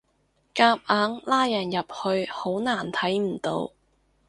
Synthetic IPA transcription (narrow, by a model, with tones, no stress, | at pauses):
kaː˧p̚aː˨˥ŋlaː˥jɐ˨˩njɐ˨p̚hɵ˧ɥho˨˥wnaː˨˩nt̪ʰɐ˨˥jm̩˨˩t̪o̰˧w